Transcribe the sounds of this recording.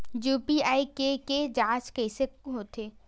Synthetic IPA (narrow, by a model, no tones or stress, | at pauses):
juːpiaːikeked͡ʒaːt͡ʃkɛːseɦoːt̪ʰeː